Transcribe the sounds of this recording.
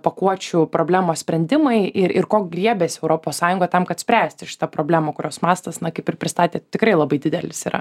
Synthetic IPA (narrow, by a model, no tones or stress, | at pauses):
pɐkuɔt͡ʃʲʊpɾoːblʲæːmoːsʲpʲɾʲɛnʲd̪ʲɪmɐɪʔɪɾɪrkoːkɡɾʲiɛbʲeːsʲɛʊɾoːpoːssɑːjʊŋɡɐt̪ɐmkɐt̪sʲpʲɾʲæːsʲt̪ʲɪʃʲɪ̥t̪ɐpɾoːbʲlʲæːmɐkʊɾʲoːsmɑːst̪ɐsnɐkɐɪpʲɪɾpʲɾʲɪst̪ɑːt̪ʲeːt̪ʲɪkɾɐɪlˠɐbɐɪdʲɪd̪ʲɛlʲɪsiːɾɐ̰